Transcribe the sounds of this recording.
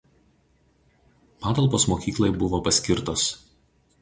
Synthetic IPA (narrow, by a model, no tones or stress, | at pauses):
pɑːt̪ɐlˠpoːsmoːkʲiːklˠɐɪbʊʋoːpɐsʲkʲɪɾt̪oːs